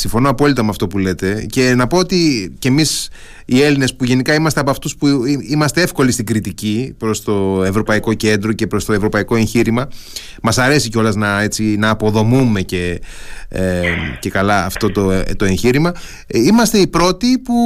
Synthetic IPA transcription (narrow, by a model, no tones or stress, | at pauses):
siɱfo̞noɐpo̞lit̪ɐmeɐft̪o̞pule̞t̪e̞ce̞nɐpo̞ot̪icemis | ie̞line̞spuʝe̞nikɐimɐst̪e̞ɐpoɐft̪uspuimɐst̪e̞e̞fko̞list̪iɡɾit̪icipɾo̞st̪o̞e̞vɾo̞pɐiko̞ce̞nd̪ɾo̞ce̞pɾo̞st̪oe̞vɾo̞pɐiko̞e̞ɲçiɾimɐ | mɐsɐɾe̞siceo̞lɐznɐe̞t͡sinɐːpo̞ðo̞mume̞ce̞ | ce̞kɐlɐːft̪o̞t̪ot̪oe̞ɲçiɾimɐ | imɐst̪eipɾo̞t̪ipu